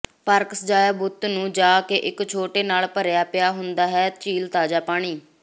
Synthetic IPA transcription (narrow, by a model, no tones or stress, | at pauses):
paɾksəd͡ʒaːjaːbʊt̪nũːd͡ʒaːkeːʔɪkt͡ʃʰoːʈeːnaːlpəɾjaːpɪjaːɦʊnd̪aːɦɛːt͡ʃiːlt̪aːd͡ʒaːpaːɽ̃iː